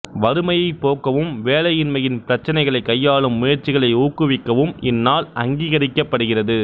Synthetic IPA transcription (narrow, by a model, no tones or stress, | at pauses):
ʋɐɾɯmɐjɐɪpːoːkːɐʋɯmʋeːlɐjɪnmɐjɪnpɪɾɐt͡ʃːɐnɐɪɣɐɭɐɪkːɐjːaːɭɯmːʊjɐɾt͡ʃɪɣɐɭɐɪuːkːɯʋɪkːɐʋɯmɪnːaːlɐ̰ŋɡiːɣɐɾɪkːɐpːɐɽɯɣɪrɐðɯ